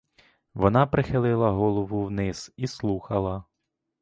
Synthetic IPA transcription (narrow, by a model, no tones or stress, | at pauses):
ʋɔnɑpɾɪxɪlˠɪlˠɐɦɔlˠɔʋʊwnɪz̥islˠuxɐlˠɐ